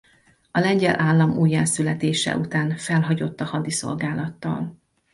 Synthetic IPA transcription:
ɒlɛɲɟɛlʔaːlːɒmuːjːaːsylɛt̪eːʃɛ̰ʔut̪aːnfɛlɦɒɟo̞t̪ːɒhɒd̪iso̞̰lɡaːlɒt̪ːɒ̰l

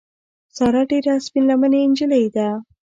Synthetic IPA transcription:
sɑɾaɖeɾaːspinlaməneːnd͡ʒəlajd̪a

